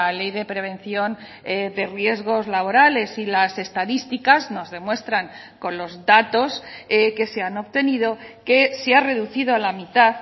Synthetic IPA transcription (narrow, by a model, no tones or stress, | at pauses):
ale̞jðe̞pɾe̞β̞ẽ̞nθjo̞n | d̪e̞rje̞zɣ̞o̞zlaβ̞o̞ɾale̞silase̞st̪aðist̪ikazno̞zðe̞mwe̞st̪ɾaŋ | ko̞nlo̞zðat̪o̞ske̞seano̞βt̪e̞niðo̞ke̞seare̞ðuθiðoalamit̪að